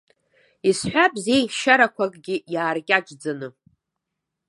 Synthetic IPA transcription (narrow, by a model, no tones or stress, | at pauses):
isħʷᶣabʼzejɡʃaɾakʷʰakʼɡʲɪjaːrkʲʼaʈ͡ʂd͡zanɨ